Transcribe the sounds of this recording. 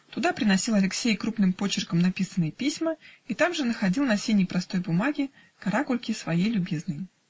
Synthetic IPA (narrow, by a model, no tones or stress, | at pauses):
t̪ʊd̪apɾʲɪnɐsʲilˠɐlʲɪksʲejkɾupnɨmpo̞t͡ɕɪrkəmnɐpʲisənːəjpʲisʲməit̪amʐɨnəxɐdʲilˠnɐsʲejnʲɪjpɾɐst̪o̞jbʊmaɡʲɪ | kɐɾakʊlʲkʲɪsvɐjejlʲʊbʲiznəj